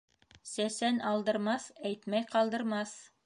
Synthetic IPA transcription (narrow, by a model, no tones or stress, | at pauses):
sæsænɑlˠd̪ɤ̆ɾmɑsæjt̪mæjqɑlˠd̪ɤ̆ɾmɑs